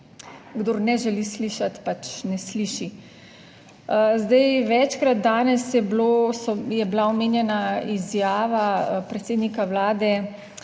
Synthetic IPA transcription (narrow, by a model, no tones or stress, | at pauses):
ɡd̪oːɾnɛʒɛlisliːʃat̪pat͡ʃnɛsliːʃi | zd̪ajʋɛt͡ʃkɾat̪̚d̪aːnɛsjɛblosɔjɛblaɔmeːnjɛnaizjaːʋapɾɛt̪seːd̪nikawlaːd̪ɛ